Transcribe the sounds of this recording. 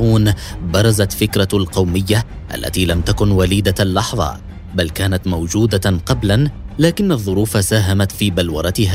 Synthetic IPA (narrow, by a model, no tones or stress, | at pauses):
uːnbɑɾˤɑzat̪fɪkɾɑlqɑwmɪjːa | ʔa̰lːa̰t̪iːlamt̪akʊnwaliːd̪alːɑħðˤɑ̰ | balkaːnat̪mawd͡ʒuːd̪aqɑblanlaːkɪnːaðˤːʊɾuːfasaːɦamat̪fiːbalwɑɾˤɑt̪ɪɦaː